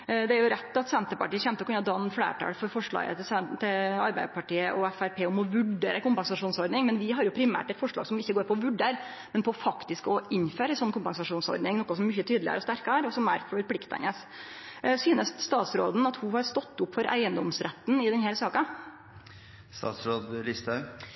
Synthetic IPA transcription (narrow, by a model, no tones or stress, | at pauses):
d̪ɛæɾjʊɾɛt̪ːɑt̪sɛnt̪əpɑʈiːəçɛnt̪əɔkʉnːɑd̪ɑnfɽæ̰ːʈʰɑ̰ːɽfɔɾfɔʂɭɑ̰ːɡə̰t̪ɪsɛt̪ʰɪlɑɾbæɪd̪pɑʈiːəʔɔɛfæɾpʰeːɔmɔʋʉɖeːɾəkʊmpɛnsɑʂuːnsɔɾd̪nɪŋmɛnʋɪɦɑɾjʊpʰɾɪmæ̰ːʈɛt̪fɔʂɭɑ̰ɡsɔmɪçːəɡoːɾpʰɔɔʋʉɖeɾ | mɛnpʰɔfɑkt̪ɪskɔʔɪnːføːɾəɛnsɔnːkʰʊmpɑnsɑʂuːnsɔ̰ɾd̪nɪŋnɔkːɑsɔmmʏçət̪ʰyːd̪lɪə̰ɾɔst̪æɾkɑɾɔsɔmæ̰ɾfɔɾpʰlɪkt̪æ̰nəs | syːnəst̪st̪ɑːt̪sɾo̰ːd̪n̩ɑt̪hʊhɑɾst̪ɔt̪ːʊpfɔɾʔæ̰ɪənd̪ɔmsɾɛt̪ːn̩ɪd̪ɛnhæːɾsɑːkɑ | st̪ɑ̰ːt̪sɾoːd̪lɪst̪ə